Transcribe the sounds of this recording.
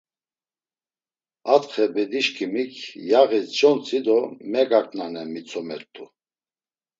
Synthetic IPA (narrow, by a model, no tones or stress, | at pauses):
at̪χɛbɛd̪iʃkʰimikʰjaɣisd͡ʒɔnt͡sʰʼid̪ɔmɛɡakʼnanɛmit͡sʰɔmɛɾt̪ʼu